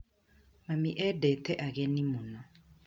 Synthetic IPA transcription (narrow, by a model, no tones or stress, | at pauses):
mamiʔɛdɛtɛʔaɣɛnimʊnɔ